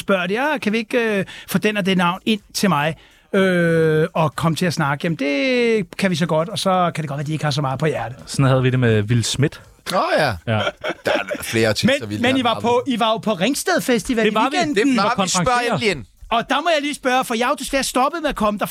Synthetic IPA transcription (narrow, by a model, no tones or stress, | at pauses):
sb̥ɶɐ̰d̥ejækʰæʋie̝ɡ̥øfod̥enɐd̥enɑ̈ʊ̰ne̝n̰t͡sʰe̝lmɑ̈ɪ | ø | ɒ̽kʰɒ̽mət͡sʰe̝læsnɑ̈ɡ̥əjæmn̩d̥e̝kʰæʋis̬ɒ̽ɡ̥ɒ̽d̥ɒ̽sɒ̽kʰæd̥eɡ̥ɒd̥ʋæɐdieɡ̥hɑ̈s̬ɒ̽mɑ̈ːpʰɒ̽jæɐd̥əsɒnhæð̞̩ˠʋid̥e̝meʋilsmed̥ | jæ | d̥fle̝ːɐt͡sʰimenɐʋimeiʋɑ̈pʰɒiʋɑ̈jo̝pʰɒ̽ʁeŋsd̥ɛðˠfesd̥iʋædeɑʋenkʰɒsʁɑŋlien | ɒ̽d̥ɑ̈mɒjɑ̈ɪliːsb̥ɶːɐfɒjɑ̈hd̥e̝sʋæːɐsd̥ɒ̽b̥əð̩ˠmeðˠɐkʰɒ̽məd̥ɑ̈